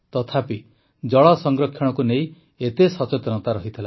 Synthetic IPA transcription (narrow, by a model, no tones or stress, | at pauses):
t̪ɔt̪ʰapi | d͡ʒɔɭɔsɔŋɡɾɔkʰːjɔɽ̃ɔkunej | et̪esɔt͡ʃet̪ɔnɔt̪aɾɔɦit̪ʰila